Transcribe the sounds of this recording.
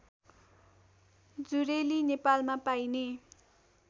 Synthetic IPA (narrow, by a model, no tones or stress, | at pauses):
d͡zuɾelinepalmapajne